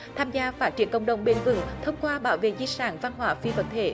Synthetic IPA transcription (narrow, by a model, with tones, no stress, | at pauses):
t̪ʰaː˧mzaː˧faː˦˥t̚t͡ɕi˧˩ənŋkə̰˧˩wŋ͡mɗə˨˧˩wŋ͡mɓe˧˩nvɨ̰˨˧˩ŋt̪ʰə˧wŋ͡mkwaː˧ɓaː˧˦wvḛ˧˨zi˧saː˧˩nva˧nɦwaː˧˩fi˧və̰˧˥nt̪ʰe˧˩˦